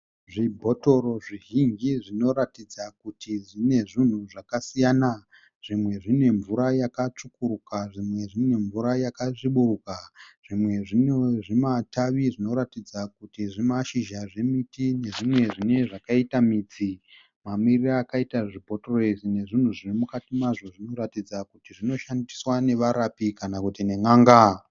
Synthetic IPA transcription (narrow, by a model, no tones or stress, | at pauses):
ʐibʱo̞to̞ɾo̞ʐiɦiŋɡiʐino̞ɾatid͡zakutʰiʐine̞ʐin̤uʐakasijana | ʐ̥imwe̞ʐine̞ɱvuɾajakat͡ʂukuɾukaʐimwe̞ʐine̞ɱvuɾajakaʐiɓuɾukaʐ̥imwe̞ʐinoʐimataʋiʐino̞ɾatid͡zakutiʐimaʃiʒaʐe̞mitine̞ʐimwe̞ʐine̞ʐakaitamiːt͡si | mamiriraːkaitaʐipo̞troesine̞ʐin̤uʐirimukatimaʐo̞ʐino̞ratid͡zakutiʐino̞ʃandiswane̞ʋaɾapikanakutine̞ŋaːŋɡa